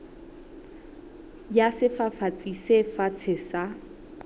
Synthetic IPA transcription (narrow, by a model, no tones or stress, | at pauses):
jasɪfafat͡sʼisefat͡sʰɪsa